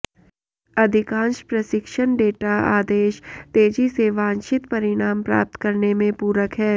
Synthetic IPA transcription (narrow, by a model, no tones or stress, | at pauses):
ɐd̪ʱɪkãːnʃpɾɐʃɪkʃəɳɖeːʈaa̰ːd̪eːʃt̪eːd͡ʒiseʋãːnʃɪt̪pɐɾɪɽ̃aːmpɾa̰ːp̚t̪kɐɾnemẽpuːɾəkɦɛː